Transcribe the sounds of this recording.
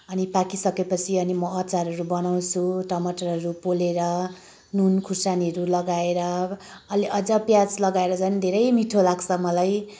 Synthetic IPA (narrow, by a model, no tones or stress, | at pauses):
ʌnipakisʌkepʌt͡sʰiʌnimʌʌt͡saɾʌɾubʌnaw̃t͡sʰuʈʌmʌʈʌrɦʌɾupoleɾʌ | nunkʰursaniɦʌɾulʌɡaeɾʌː | liʔʌd͡zʌpjad͡zlʌɡaeɾʌd͡zʌnid̪ʱeɾʌjmiʈʰolaɡt͡sʰʌmʌlaj